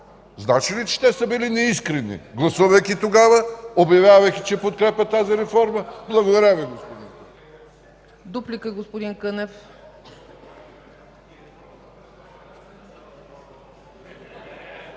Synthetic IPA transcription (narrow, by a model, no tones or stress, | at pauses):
znat͡ʃilit͡ʃɛ̥t̪ɛsəbilinɛiskɾɛnḭɡlˠɐsuvɐjkʲit̪oɡavəobjɐvʲjavɐjkʲit͡ʃɛpot̪̚kɾɛpʲɐt̪aziɾɛfɔɾməblˠɐɡod̪ɐɾʲaviɡospod̪in | d̪uplikəɡospod̪inkənɛf